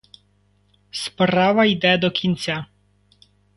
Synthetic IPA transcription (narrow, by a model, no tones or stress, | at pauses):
spɾɑʋɐjd̪ɛd̪ɔkʲʰinʲt͡sʲa